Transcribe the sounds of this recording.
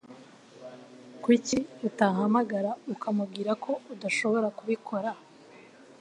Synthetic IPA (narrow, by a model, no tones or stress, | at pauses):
kwiciutaɦamaɡaɾaukamubɡiːɾakʰo̞udaʃo̞βo̞ɾakuβikʰo̞ɾa